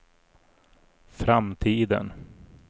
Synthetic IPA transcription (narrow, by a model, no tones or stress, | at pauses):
fɾamt̪ʰiːd̪ə̰n